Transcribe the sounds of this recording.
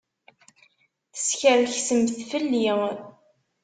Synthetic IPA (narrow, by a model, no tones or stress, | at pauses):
θə̥sçəɾçsəmθfəlːi